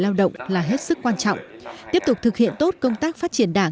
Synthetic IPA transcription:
laː˧wɗə̰˧˨wŋ͡mlaː˨˩ɦe˦˥t̚sɨ˦˥kːwaː˧nt͡ɕɔ̰˧˨wŋ͡mt̪i˦˥əp̚t̪ʊ˨˩k͡p̚t̪ʰɨ˨˩k̚hḭ˧˨ənt̪o˦˥t̚kə˧wŋ͡mt̪aː˦˥k̚faː˦˥t̚t͡ɕi˧˩ənɗaː˧˩ŋ

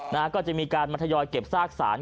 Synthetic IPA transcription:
naː˧˩kɔː˥˩t͡ɕa˨˩ʔmiː˧kaː˧nmaː˧t̪ʰjɔː˧jke˨˩p̚saː˥˩k̚sa̰ː˩˦n

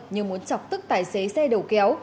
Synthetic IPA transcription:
ɲɨ˨mu˨˦ənt͡ɕɔ˨˩wk͡p̚t̪ɨ˦˥k̚t̪aː˨˩jse˨˦sɛ˧ɗə˨˩wkɛ˨˦w

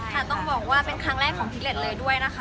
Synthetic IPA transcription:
a˧˥˩t̪ɔ˥˩ŋbɔː˨˩k̚waː˥˩pe˧nkʰɾaː˦˥ŋɾɛː˥˩kʰːɔː˨˩˦ŋt̪ʰi˨˦˥le˨˩t̪̚lɤː˧jdu˥˩əjna˦˥kʰ

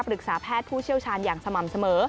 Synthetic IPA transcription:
pɾɯ˨˩k̚saː˩˦pʰɛː˥˩t̪̚pʰuː˥˩t͡ɕʰi˥˩əwt͡ɕʰaː˧njaː˨˩ŋsa˧ma˨˩msa˧mɤː˩˦

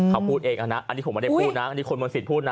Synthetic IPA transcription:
kʰa˦˥wpʰuː˥˩t̪̚ʔeː˧ŋʔa˧na˦˥a˧niː˦˥pʰo˩˦m˦˥˩a˥˨˩pʰuː˥˩t̪̚na˦˥ʔnːiː˦˥kʰo˧nmo˧si˨˩pʰuː˥˩t̪̚na˦˥

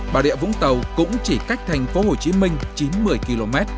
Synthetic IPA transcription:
ɓaː˨˩ɗḭ˧˨vʊ̰˧˥ŋ͡mt̪ə˨˩wkʊ̰˧˥ŋ͡mt͡ɕi˧˩ka˦˥jk̟̚t̪ʰa˨˩jŋ̟fo˨˦ho˨˩t͡ɕi˨˦mï˧ŋ̟t͡ɕi˨˦nmɨ˧˩əjki˧lo˧mɛ˦˥t̚

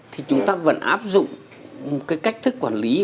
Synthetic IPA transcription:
t̪ʰi˨˩t͡ɕʊ˨˦ŋ͡mt̪aː˧və̰˧˥nʔa̰ː˦˥p̚zʊ̰˧˨ŋ͡m | mo˨˩t̚kaː˨˦jka˦˥jk̟̚t̪ʰɨ˦˥kːwaː˧˩nli˨˦

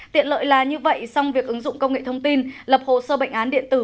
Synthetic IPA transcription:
t̪ḭ˧˨ənlə̰ː˧˨jlaː˨˩ɲɨ˧və̰˧˨jsɔ˧wŋ͡mvi˨˩ək̚ʔɨ˨˦ŋzʊ̰˧˨ŋ͡mkə˧wŋ͡mŋḛ˧˨t̪ʰə˧wŋ͡mt̪i˧nlə˨˩p̚ho̰˧˨səː˧ɓə̰˧˨jŋʔaː˨˦nɗḭ˧˨ənt̪ɨ˧˩

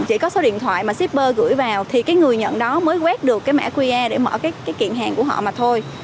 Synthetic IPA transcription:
t͡ɕḭ˧˩kɔ˨˦so˨˦ɗḭ˧˨nt̪ʰwa̰ː˧˨jmaː˨˩si˦˥p̚ɓəː˧ɣɨ̰˧˩˥jvaː˨˩wt̪ʰi˨˩kaː˨˦jŋɨ˨˩əjɲə̰˧˨nɗɔ˨˦məː˨˦jɣwɛː˦˥t̚ɗɨ˨˩əkːaː˨˦jma̰˧˩kwi˧ʔaː˧ɗe˧˩mə̰ː˧˩kaː˨˦jkaː˨˦jkḭ˧˨nɦaː˨˩ŋku˧˩əɦɔ̰˧˨maː˨˩t̪ʰo˧j

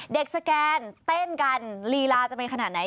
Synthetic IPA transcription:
de˨˩k̚sa˧kɛː˧nt̪e˥˩nka˧nliː˧laː˧˥t͡ɕa˨˩mi˧ka˧naː˨˩t̪̚na˦

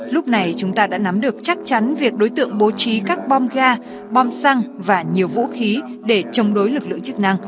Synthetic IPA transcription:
lʊ˦˥k͡p̚na˨˩jt͡ɕʊ˨˦ŋ͡mt̪aː˧ɗa̰ː˧˥na˨˦mɗɨ˨˩ək̚t͡ɕa˦˥k̚t͡ɕa˨˦nvi˨˩ək̚ɗo˨˦jt̪ɨ̰˧˨əŋɓo˨˧˦t͡ɕi˨˦kaː˦˥k̚ɓɔ˧mɣaː˧ | ɓɔ˧msa˧ŋvaː˨˩ɲi˨˩əwvṵ˧˥xi˨˦ɗe˧˩t͡ɕə˨˧wŋ͡mɗo˨˦jlɨ˨˩k̚lɨ̰˧˨əŋt͡ɕɨ˦˥k̚na˧ŋ

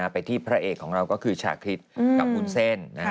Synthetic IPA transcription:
aː˧pa˧jt̪ʰiː˥˩pʰɾa˦˥ʔeː˨˩kʰːɔː˩˦ŋɾa˧wkɔː˥˩kʰɯː˧t͡ɕʰa̰ː˧˩kʰɾi˦˥t̪̚ka˨˩p̚kʰu˧nse˥˩nna˦˥

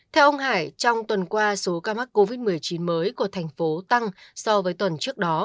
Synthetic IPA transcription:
t̪ʰɛ˧wʔə˧wŋ͡mhaː˧˩jt͡ɕɔ˧wŋ͡mt̪wə˨˩nkwaː˧so˨˦kaː˧ma˦˥k̚ko˧vi˦˥t̚mɨ˨˩ə˩jt͡ɕi˨˦nməː˨˦jku˧˩ət̪ʰɛ˨˩jŋ̟fo˨˦t̪a˧ŋsɔ˧vəː˨˦jt̪wə˨˩nt͡ɕɨ˦˥ək̚ɗɔ˨˦

